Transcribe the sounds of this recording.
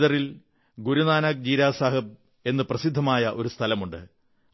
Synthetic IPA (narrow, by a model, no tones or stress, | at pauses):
ðɐril | ɡuɾunaːnaːk̚d͡ʑiːɾaːsaːɦɐb̚ | e̞nːɨprɐsid̪ʱːɐmaːjɐʔo̞ɾust̪ʰɐlɐmuɳɖɨ